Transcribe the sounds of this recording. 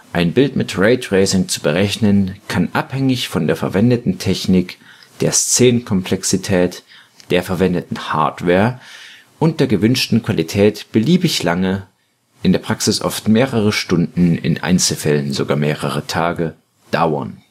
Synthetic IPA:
ʔaɪnbɪltmɪtʁeɪtʁeɪsɪŋt͡su̥bəʁɛçnənkʰanʔaphɛŋɪçfɔndeːɐfɛɐvɛndətn̩tʰɛçnɪkd̥eːɐst͡seːnənkʰɔmpʰl̥ɛksitʰɛːt | d̥eːɐfɛɐvɛndətn̩ha̰ɐtv̥ɛːɐ | ʔʊnt̚d̥eːɐɡəvʏnʃtn̩kv̥alitʰɛːtb̥əliːbɪçlaŋə | ʔɪndeːɐpʁ̥aksɪsʔɔ̰ftmeːʁəʁəʃtʊndn̩ɪ̰nʔa̰ɪnt͡sl̩fɛlənzoɡaːɐmeːʁəʁətʰaːɡə | d̥a̰ʊɐ̰n

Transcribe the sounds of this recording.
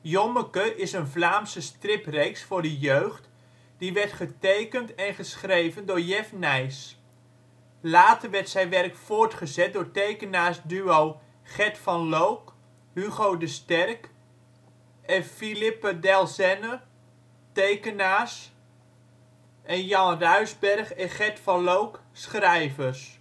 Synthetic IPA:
jɔməkəʔɪsənvlaːmsəstrɪprejksfʊːɹdəjøɥχt | d̥iʋɛɹtχətejkəntɛnχəsχrejvəndʊːɹjɛfnɛjs | laːtərʋɛɹtsɛjnʋɛrkfʊːɹtχəzɛt̚dʊːɹtejkənaːɹsdyow | χɛtfɑnlowk | hyɣowdəstɛrk | ɛfilɪpədɛlˠsɛnə | tejkənaːs | ʔɛnjɑnrœɥzbɛrχɛχɛtfɑnlowksχrɛjvəs

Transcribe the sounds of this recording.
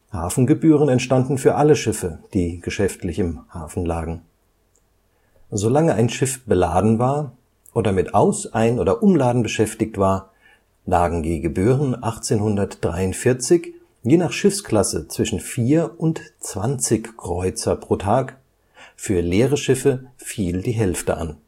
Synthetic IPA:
ha̰ːfn̩ɡəbyːʁənɛntʃtandn̩fyːɐʔaləʃɪfəd̥iːɡ̥əʃɛftlɪçɪmhaːfn̩laːɡŋ̩ | zolaŋəʔaɪnʃɪfb̥əlaːdn̩vaːɐ | ʔoːdɐmɪtʔaʊsaɪənʔoːdɐʔʊmlaːdn̩bəʃɛftɪçtv̥aːɐ | laːɡŋ̩ɡiːɡəbyːʁənʔaχt͡seːnhʊndɐtd̥ʁaɪʊntfɪɐt͡sɪç | jeːnaːχʃɪfskl̥asət͡sv̥ɪʃn̩fiːɐʊntt͡sv̥ant͡sɪçkʁ̥ɔʏt͡sɐpʁ̥oːtʰaːk | fyːɐleːʁəʃɪfəfiːldiːɦɛlftə̰ʔa̰n

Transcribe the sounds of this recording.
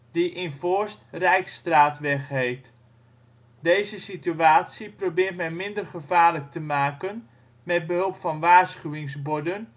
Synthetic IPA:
diʔɪnvɔɹstrɛjkstraːtʋɛχɦejt | dejzəsityaːtsiprowbɪːrtmɛjmɪndərχəvaːɹlək̚təmaːkən | mɛd̚bəɦɵlˠpfɑnʋaːɹsχyʋɪŋzbɔdən

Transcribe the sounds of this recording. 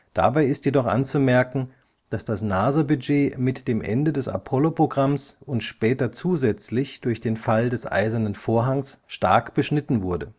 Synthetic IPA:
d̥a̰baɪɪstjedɔχʔa̰nt͡sumɛɐkŋ̩ | d̥asd̥asnaːzɐbyd͡ʒeːmɪtd̥eːmʔɛ̰ndədɛsa̰pʰɔlopʁ̥oɡʁamsʊntʃpɛːtɐt͡suːzɛt͡slɪçd̥ʊɐçd̥eːnfaldɛsʔa̰ɪzɐnənfoːɐɦaŋsʃta̰ɐkb̥əʃnɪtn̩vʊɐdə

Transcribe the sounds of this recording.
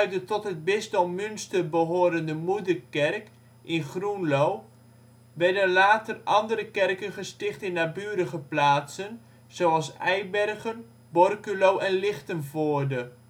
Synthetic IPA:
œɥ̚dətɔtɦəd̚bɪstɔmmynstəbəɦoːɾəndəmudərkɛrk | ʔɪnχrunlow | ʋɛrdənlaːtərʔɑndəɾəkɛrkənχəstɪχtɪnːabyːəɾəχəplaːsən | z̥oɑlˠsɛjbɛrɣən | bɔrkylowʔɛnlɪχtənvoːrdə

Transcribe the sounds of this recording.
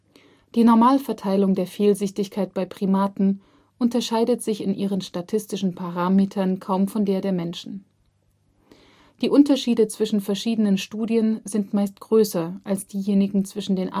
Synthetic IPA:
d̥iːnɔɐmaːlfɛɐtʰaɪlʊŋdeːɐfeːlzʏçtɪçkʰaɪt̚b̥aɪpʁ̥imaːtn̩ | ʔʊntɐʃaɪdətz̥ɪçɪnʔiːʁ̞ənʃtatʰɪstɪʃn̩pʰaʁ̞aːmeːtʰɐnkʰaʊmfɔndeːɐdeːɐmɛnʃn̩ | d̥iːʔʊntɐʃiːdət͡sv̥ɪʃn̩fɛɐʃiːdənənʃtuːdiənzɪntmaɪstɡ̥ʁøːsɐʔalsd̥iːjeːnɪɡŋ̩t͡sv̥ɪʃn̩deːnʔa̰

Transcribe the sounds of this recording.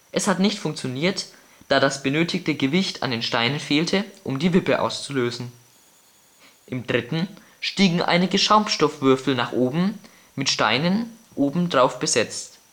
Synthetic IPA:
ʔɛshatnɪçtfʊŋkt͡sjoniːɐt | d̥aːdasb̥ənøːtʰɪktəɡəvɪçtʰa̰ndeːnʃtaɪnənfeːltʰəʔʊmdiːvɪpəʔa̰ʊst͡suløːzn̩ | ʔɪmdʁɪtn̩ | ʃtiːɡŋ̩ʔa̰ɪnɪɡəʃaʊmpʃtɔfv̥ʏɐfl̩naːχʔoːbm̩ | mɪtʃta̰ɪnənʔoːbm̩dʁaʊfb̥əzɛt͡st

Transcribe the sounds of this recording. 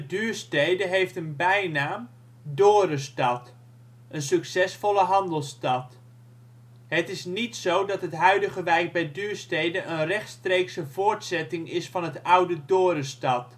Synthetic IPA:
ədyːɹstejdəɦejftənbɛjnaːm | doːɾəstɑt | ʔənsɵksɛsfɔləɦɑndəlˠstɑt | ɦətɪsnitsowdɑtɦətɦœɥdəɣəʋɛjk̚bɛjdyːɹstejdənʔənrɛχtstrejksəv̥ʊːɹtsɛtɪŋɪsfɑnɦətʌwdədoːɾəstɑt

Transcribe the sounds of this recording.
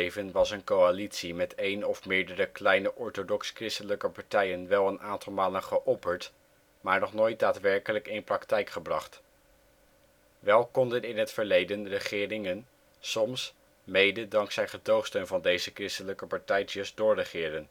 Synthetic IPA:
jvənʋɑsənkoalitsimɛtʰejnɔfmɪːɹdərəklɛjnəʔɔɹtodɔkskrɪstələkəpɑɹtɛjənʋɛlˠənaːntɑlˠmaːlənχəʔɔpəɹt | maːɹnɔχnojt̚daːtʋɛɹkələkɪnprɑktɛjkχəbrɑχt | ʋɛlˠkɔndənɪnɦətfəɹlejdənrəχɪːrɪŋən | sɔms | mejdədɑŋksɛjχədowχstøɥnvɑndejzəkrɪstələkəpɑɹtɛjtəsdʊːɹrəχɪːɾən

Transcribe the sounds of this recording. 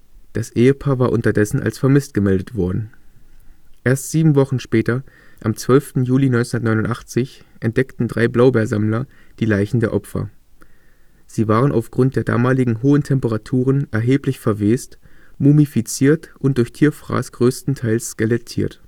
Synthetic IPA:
d̥asʔeːəpʰaːɐvaːɐʔʊntɐdɛsn̩ʔa̰lsfɛɐmɪstɡ̥əmɛldətv̥ɔɐdn̩ | ʔeːɐstz̥iːbm̩vɔχn̩ʃpɛːtɐʔamt͡sv̥œlftn̩juːlinɔʏnsnɐtnɔʏnʊntʔaχt͡sɪçʔɛnt̚d̥ɛktn̩dʁaɪblaʊbɛːɐzamlɐd̥iːlaɪçn̩deːɐʔɔpfɐ̰ | z̥iːvaːʁənʔa̰ʊfɡ̥ʁʊnt̚d̥eːɐda̰ːmaːlɪɡŋ̩ɦoːəntʰɛmpəʁatʰuːʁənʔɛɐɦeːplɪçfɛɐveːstmuːmifit͡siːɐtʔʊnt̚d̥ʊɐçtʰiːɐfʁ̥a̰ːsɡ̥ʁøːstn̩tʰaɪlsskalɛtʰḭːɐt

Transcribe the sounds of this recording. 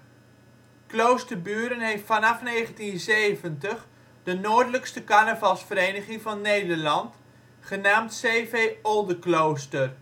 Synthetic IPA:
klowstərbyːɾənɦejftfɑnɑfnejχəntinzejvəntəχ | dənoːɹdələkstəkanəvɑlˠsfəɾejnəχɪŋvɑnːejdəɹlɑnt | χənaːmtseːvejɔlˠdəklowstər

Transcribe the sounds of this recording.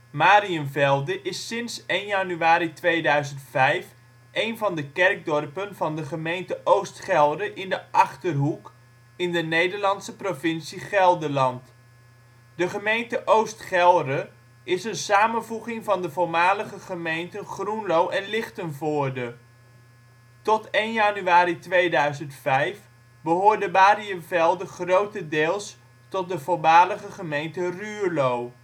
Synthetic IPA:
maːɾiənvɛlˠdəʔɪsːɪnsejnjanyaːɾitʋejdœɥzəntfɛjf | ʔejnvɑndəkɛrɡ̚dɔrpənvɑndəχəmejntəʔowstχɛlˠdəʔɪndəʔɑχtərɦuk | ɪndənejdəɹlɑntsəprovɪnsiχɛlˠdəlɑnt | d̥əχəmejntəʔowstχɛlˠdə | ʔɪsənsaːmənvuχɪŋvɑndəvʊːɹmaːləχəχəmejntənχrunlowɛnlɪχtənvʊːɹdə | tɔtejnjanyaːɾitʋejdœɥzəntfɛjf | bəɦʊːɹdəbaːɾiənvɛlˠdəχrowtədɪːlˠs | tɔt̚dəvʊɹmaːləχəχəmejntəryːɹlow

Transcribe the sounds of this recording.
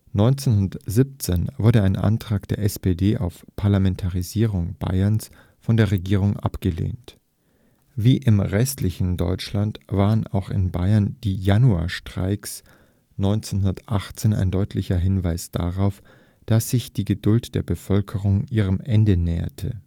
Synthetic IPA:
nɔʏnt͡senɦʊndɐz̥ɪp̚t͡senvʊɐdəaɪnʔa̰ntʁ̥aːkd̥eːɐʔɛspedeːʔa̰ʊfpʰaɐlamɛntʰaʁiziːʁʊŋb̥a̰ɪɐns | fɔndeːɐʁeɡiːʁ̞ʊŋʔa̰pɡ̥əlḛːnt | viːʔɪmʁɛstlɪçn̩dɔ̰ʏt͡ʃlantv̥aːʁəna̰ʊxɪ̰nba̰ɪɐnd̥iːjanua̰ːɐʃtʁ̥a̰ɪks | nɔʏnt͡senɦʊndɐtʔaχt͡seːna̰ɪndɔʏtʰlɪçɐɦɪnvaɪsd̥a̰ʁaʊf | d̥asz̥ɪçd̥iːɡədʊltd̥eːɐbəfœlkʰəʁʊŋʔiːʁ̞əmʔɛndənɛːɐ̰tʰə̰

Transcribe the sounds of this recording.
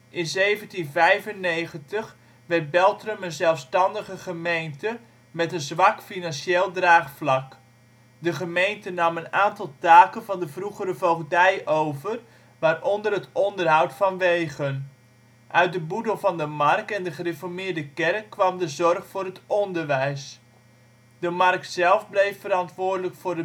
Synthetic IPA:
ʔɪnzejvəntinvɛjvənːejχəntə | ʋɛrt̚bɛlˠtrəmənzɛlˠfstɑndəχəχəmejntə | mɛtənzʋɑkfinɑnseːlˠdraːχflɑk | dəχəmejntənɑmənaːntɑlˠtaːkənvɑndəvruχəɾəvowχdɛjʔowvər | ʋaːrʔɔndərɦətɔndərɦawtfɑnʋejɣən | ʔœɥt̚dəbudəlˠvɑndəmark̚tɛndəχərefɔɹmɪːɹdəkɛrkːʋɑmdəzɔrχfʊːrɦətɔndərʋɛjs | dəmɑrk̚tsɛlˠvblejfːəɾɑntʋʊːrdələkfʊːrdə

